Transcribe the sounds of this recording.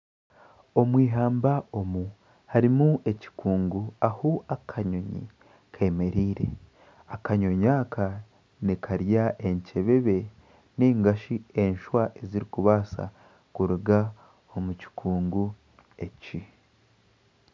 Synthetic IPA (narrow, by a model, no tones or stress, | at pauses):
o̞mwiːɦaːmbao̞mu | haɾimue̞ci̥kuːŋɡuahoakʰaɲo̞ɲḭ | kʰeːme̞ɾiːɾe̞̰ | akaɲo̞ɲaːkʰa | nikʰaɾjaʔe̞ɲce̞βe̞βe̞ | niːŋɡaʃie̞nʃwaʔe̞ziɾikuβaːsa̰ | kuɾuɡa | o̞muci̥kʰuːŋɡu | e̞ci